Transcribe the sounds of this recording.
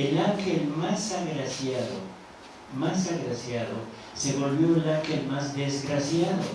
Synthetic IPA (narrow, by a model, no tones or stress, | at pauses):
elakelmasaɣɾasjaðo̰ | masaɣɾasjaðo | seβo̞lβjolakelmazd̪ezɣɾasjaðo̰